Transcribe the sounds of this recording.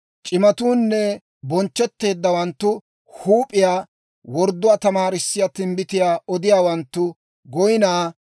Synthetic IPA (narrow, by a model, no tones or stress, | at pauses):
t͡ʃʼɪmɐt̪uːnːɛ | bɔnt͡ʃːɛt̪ːe̞ːd̪ːɐwɐnt̪ːʊ | huːpʼːɪjaː | wɔɾd̪ːʊaːt̪ɐmaːɾɪsːɪjat̪ɪmbɪt̪ɪjaːɔd̪ɪjaːwɐnt̪ːʊ | ɡɔjɪnaː